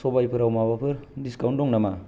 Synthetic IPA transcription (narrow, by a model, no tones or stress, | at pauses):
sɔbajpʰɯɾawmabapʰɯɾdiskawndɔŋnama